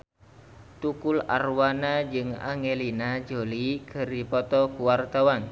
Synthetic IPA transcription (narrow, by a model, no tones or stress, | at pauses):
t̪ukula̰rwanad͡ʒɨŋa̰ŋelinad͡ʒolikəɾipɔt̪ɔkuwart̪awan